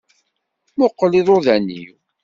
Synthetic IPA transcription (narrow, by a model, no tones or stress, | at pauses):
mʊqːliðˤoðænːḭw